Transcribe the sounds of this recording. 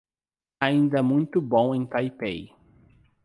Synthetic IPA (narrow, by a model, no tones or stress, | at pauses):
aĩnd̪ɐmũj̃t̪ʊbõw̃ẽj̃t̪ajpej